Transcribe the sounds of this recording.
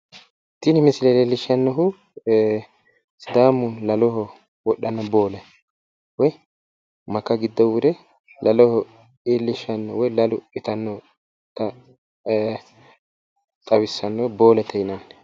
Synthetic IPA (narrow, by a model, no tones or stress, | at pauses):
t̪inɪmɪsɪlɛlelːɪʃɐnːɔɦʊ | sɪd̪aːmːʊlɐlɔɦɔ | wɔɗːɐnːɔbo̞ːlɛ | wɔj | mɐkːɐɡɪd̪ːɔwʊd̪ɛ | lʔɐlɔhɔ | elːɪʃɐnːɔwɔjlɐlʊɪt̪ɐnːɔ | t̪ɐ | t̪ʼɐwɪsːɐnːɔbo̞ːlɛt̪ʰɛjɪnɐnː